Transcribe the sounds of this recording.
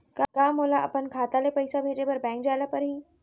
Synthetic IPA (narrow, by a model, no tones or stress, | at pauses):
kakaːmoːlaʔɐ̰pənkʰaːt̪alepɐɪsabʱeːd͡ʒepɐɾbɛ̃ːŋkd͡ʒaːlapɐɾɦiː